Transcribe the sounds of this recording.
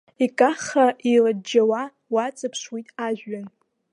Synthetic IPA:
ikʼaχaʔiradd͡ʒawa | wat͡sʼɨpʰʂwitʼaʒᶣan

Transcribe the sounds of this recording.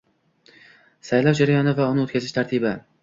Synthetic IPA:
sajlɒwd͡ʒaɾajɒnɪvaʊnɪot̪̚kʰʲazɪʃt̪ʰaɾt̪ʰibɪ

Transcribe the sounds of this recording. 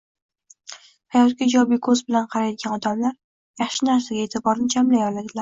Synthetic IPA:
hajɒt̪̚kʲad͡ʒɒbikʰɵzbɪlanqʰɑɾajd̪ɪɡʲanɒd̪amlaɾ | jɑχʃɪnaɾsaɡʲaeːt̪ʰɪbɒɾnɪt͡ʃʰamlajɒlad̪ɪlaɾ

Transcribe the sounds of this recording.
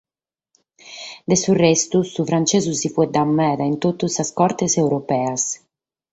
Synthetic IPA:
d̪esurɛst̪usufɾant͡ʃezusipuɛd̪amːɛːd̪aint̪ot̪ːusaskɔɾt̪esɛwɾopɛːas

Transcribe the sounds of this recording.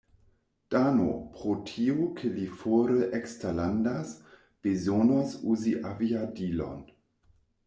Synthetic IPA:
d̥ano̰pʁotʰiokʰəlifoːɾəʔɛkstalandas | b̥ezonosuːziʔaviadiːlo̰n

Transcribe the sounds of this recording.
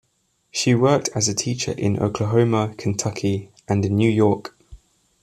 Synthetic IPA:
ʃiwɜˑk̚tʰəzətʰiˑt͡ʃə̰ɹʔɪ̰̃nʔə̰ʊkʰləɦəʊməkʰə̃ntʰʌkʰi | ʔə̃nɪ̃nːjʉːjɔˑk

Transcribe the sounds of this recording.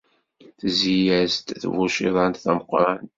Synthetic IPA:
θzijæzt̪θvuʃiðˤɑnt̪θæməqːɾˤɑn

